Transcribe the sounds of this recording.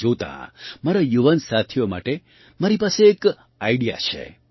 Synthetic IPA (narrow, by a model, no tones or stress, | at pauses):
ot̪ã̰maɾajuʋənsat̪ʰijoma̰ʈe | maɾipaseːk | aiɽija̰t͡ʃʰḛ